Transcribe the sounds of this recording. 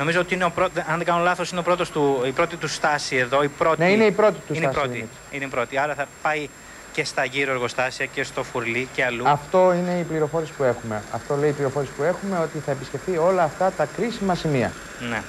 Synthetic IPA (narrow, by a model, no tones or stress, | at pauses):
no̞mizoot̪iineopɾot̪ðeɐnðeɡɐnolɐθosineopɾo̞t̪ost̪uipɾot̪it̪ust̪ɐsie̞ðo̞ipɾo̞neineipɾo̞t̪it̪uineipɾot̪i | ineipɾo̞t̪iɐɾɐθɐpɐi | ce̞st̪ɐʝiɾoeɾɣo̞st̪ɐsiɐce̞st̪o̞fuɾliceɐluɐft̪o̞ine̞ipliɾo̞fo̞ɾespue̞xume̞ɐ̰ft̪o̞leiːpliɾo̞fo̞ɾespue̞xume̞o̞t̪iθɐepisce̞fθio̞lɐːft̪ɐt̪ɐkɾisimɐsimiɐ̰ | nḛ